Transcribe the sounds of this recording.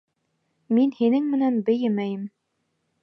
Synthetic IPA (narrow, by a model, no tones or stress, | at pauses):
minhinɘŋmɘ̆nænbɘ̆jɘmæjɘm